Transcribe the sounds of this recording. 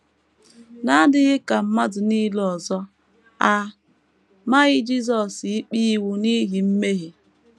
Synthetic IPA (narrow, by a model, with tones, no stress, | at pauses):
na˦dɪ˦ɣɪ˦ka˨m̩˦ma˦dʊ˨ni˦lɔ˨zɔ˦ | a˨ | ma˦ɣɪ˦d͡ʒi˦s̬ɔ˨si˦k͡pi˦wu˦ni˦ɦi˨m̩˦me˦ɦi˨